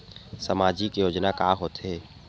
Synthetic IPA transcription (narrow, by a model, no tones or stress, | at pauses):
səmaːd͡ʒikejoːd͡ʒnakaːɦoːt̪eː